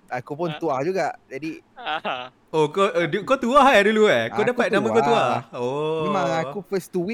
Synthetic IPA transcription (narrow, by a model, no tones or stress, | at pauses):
akupʊnt̪uahd͡ʒuɡaʔd͡ʒadi | okoʔdukot̪uaɦaduluɛodapat̪̚namakot̪uaomemãŋakufəst̪uwi